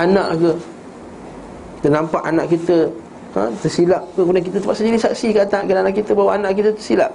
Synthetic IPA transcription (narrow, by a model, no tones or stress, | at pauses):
anãʔkə | t̪ənampaʔanaʔkit̪ə | ã̰t̪əsilaʔkəkmudaŋk̬it̪ət̪əpaʔsədilisaksikaat̪aʔkədanaʔkit̪əbawaanãʔkit̪ət̪əsila̰ʔ